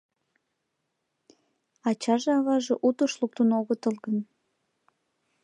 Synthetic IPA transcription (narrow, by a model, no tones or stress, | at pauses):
ɑt͡ɕɑʒeɑβɑʒeʔut̪oʃluk̚t̪unoɣət̪əlɣən